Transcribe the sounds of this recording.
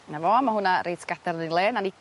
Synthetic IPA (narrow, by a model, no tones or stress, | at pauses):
navɔamahʊnaɾʔejtʰɡadaɾnɪnlˠeːnani